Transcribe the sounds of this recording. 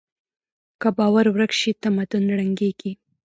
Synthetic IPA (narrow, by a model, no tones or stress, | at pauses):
kabɑwaɾwɾakʃit̪amad̪ʊnɽaŋɡeɡ̥i